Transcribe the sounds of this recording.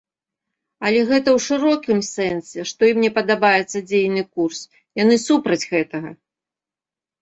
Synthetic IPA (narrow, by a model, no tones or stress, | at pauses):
ɐlʲɛɣɛt̪ɐwʂɨɾɔkʲimsɛnsʲɛʂt̪ɔjimnʲɛpɐd̪abajɛt̪sːɐd͡zʲejnɨkurs | janɨsupɾɐd͡zʲɣɛt̪ɐɣɐ